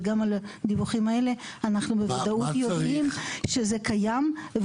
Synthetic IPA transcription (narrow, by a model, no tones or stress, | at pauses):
ɡamalad̪ibuχimae̞le̞ | anaχnubevad̪autjod̪imʃe̞zekajamv